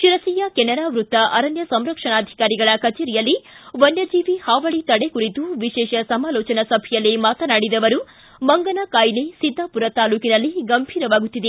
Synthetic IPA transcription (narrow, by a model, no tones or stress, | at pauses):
ʃiɾɐsiːjɐkɛnɐɾaːʋɾut̪ːɐʔɐɾɐnjɐsɐmɾɐkʂɐnaːd̪ʱi̥kaːɾiɡɐɭɐkɐt͡ʃɛːɾijɐlːiʋɐnjɐd͡ʒiːʋihaːʋɐɭit̪ɐɽekuɾit̪uʋiʃɛːʃɐsɐmaːlɔːt͡ʃɐnɐsɐbʱɛjɐlːimaːt̪ɐnaːɽid̪ɐʋɐɾu | mɐŋɡɐnɐkaːjlesid̪ʱːɐpuɾɐt̪aːluːkinɐlːiɡɐmbʱiːɾɐʋaːɡut̪ːid̪e